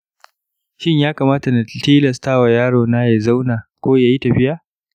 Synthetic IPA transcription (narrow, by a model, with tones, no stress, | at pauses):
ʃɪ˦ɲjaː˦kaː˨maː˦ta˨na˨tiː˦lɐ˨staː˦wa˨jaː˦ɽoː˨naː˦ja˨za˦wnaː˨kʷoː˦jaː˨ji˦tɐ˨ɸɪ˦jaː˦